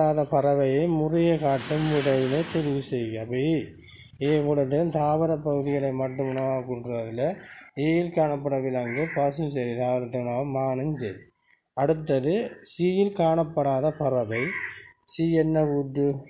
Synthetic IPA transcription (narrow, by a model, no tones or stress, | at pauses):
aːðɐpɐɾɐʋɐjɐɪmʊrɐjɐkaːʈːɯmʋɪɽɐʋɪlɐt̪ɛɾɪʋɯsɛjɐbɐ | eːʋɔɭɐðɐɐnt̪aːʋɐɾɐpːɐɣɯðɪɣɐɭɐɪmɐʈːɯmʊɳɐʋaːkːɯɳɖɾɐðɪlɐeːjɪlkaːɳɐpːɐɽɐʋɪlɐŋɡɯpɐsɯmsɐɾit̪aːʋɐɾɐt̪ːɯnɐʋɐmaːnɐɲd͡ʒɐɾ | ɐɽɯt̪ːɐðɯsiːjɪlkaːɳɐpːɐɽaːðɐpɐrɐʋɐɪsiːɛnːɐʋuːʈːɯ